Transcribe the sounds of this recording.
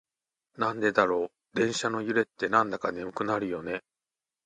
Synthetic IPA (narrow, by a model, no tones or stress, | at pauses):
nãnd̪e̞d̪aɾo̞ː | d̪ẽ̞ɰ̃ɕano̞jɯ̟ɾe̞t̪ːe̞nãnd̪akanemɯ̟kɯ̟naɾɯ̟jo̞ne̞